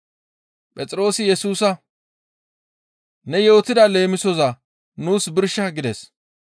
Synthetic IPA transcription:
pʼɛt͡sʼɾo̞ːsɪjɛsuːsɐ | nɛjo̞ːt̪ɪd̪ɐle̞ːmɪsɔzɐ | nuːsbɪɾʃɐɡɪd̪ɛs

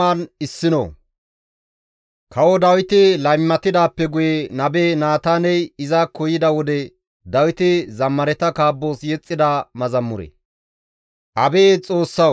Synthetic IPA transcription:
aːnɪsːɪno̰ | kɐwɔd̪ɐwɪt̪ɪlɐjmːɐt̪ɪd̪aːpːɛɡʊjɛnɐbe̞ːnaːt̪aːnɛjɪzakɔjɪd̪ɐwɔd̪ɛ | d̪ɐwɪt̪ɪzɐmːɐɾɛt̪ɐkaːbːo̞ːsjɛt͡sʼːɪd̪amɐzɐmːʊɾɛ̰ | ʔɐbe̞ːt͡sʼo̞ːsːɐ

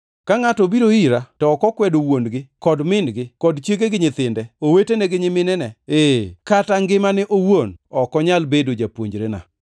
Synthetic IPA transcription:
kaŋatɔbiɾoiɾatɔkɔkwɛdowonɡɪkɔdmɪnɡɪkɔdt͡ʃjeɡeɡɪɲɪt̪ɪndɛowetenɛɡɪɲɪmɪnɛnɛekataŋɡɪmanɛʔowonɔkɔɲalbedod͡ʒapwo̰ɲd͡ʒɾena̰

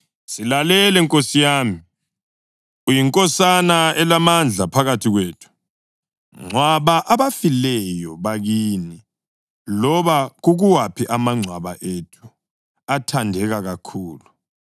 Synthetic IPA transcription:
silalɛlɛŋkʼosijaːmi | ujiŋkʼɔsanaɛlamand͡ɮʱapʰaɣatʰiɣweːtʰu̥ | ŋ͡ǀʱwaβaʔaβafilɛjɔβaɣiːni | lɔβaɣuɣuwapʰiʔamaŋ͡ǀʱwaβaʔetʰu̥ | atʰandʱɛɣaɣakʰuːlu

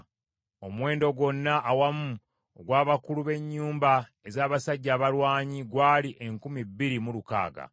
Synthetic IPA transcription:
o̞mwe̞ːndo̞ɡo̞nːaʔːwamu | oɡwaːβakuluβe̞ɲːuːmbae̞zaːβasaɟːaːβalwaːɲiɡwaːliʔe̞ŋkumibːiɾimuluka̰ːɡa̰

